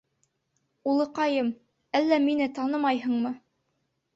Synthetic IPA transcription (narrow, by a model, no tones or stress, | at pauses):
ulˠɤqɑjɤm | ælːæminɘt̪ɑnɤmɑjɦɤ̆ɴmɤ